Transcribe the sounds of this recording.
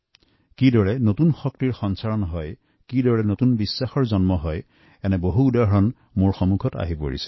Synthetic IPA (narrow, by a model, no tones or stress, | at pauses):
kidɔɹɛnotunxɔk̚tiɹxɔnsaɹɔnɦɔj | kidɔɹɛnotunbisːaxɔɹzɔnmɔɦɔj | ɛnɛboɦuːdaɦɔɹɔn | mʊɹxɔmukʰɔta̰ɦipo̰ɹḭsɛ̥